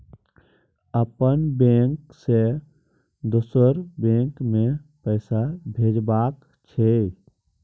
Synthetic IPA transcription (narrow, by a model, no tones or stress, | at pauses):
əpənbẽːŋkse | d̪ʊsəɾbẽːŋkmẽpɛːsabʱeːd͡ʒbaːk | t͡ʃʰɛe